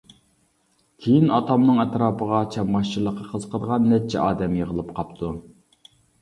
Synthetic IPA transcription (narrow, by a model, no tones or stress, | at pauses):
kʲʰejinɑt̪ʰɑmnɨŋɛt̪ɾɑːpʰəʁɑt͡ʃʰɛmʁɑʃt͡ʃʰiɾlˠːəqːɑqʰəzqʰəd̪əʁɑnːɛt͡ʃʰːɛ̰ʔɑːd̪ɛmjeʁəlˠɨpqʰɑpt̪ʰu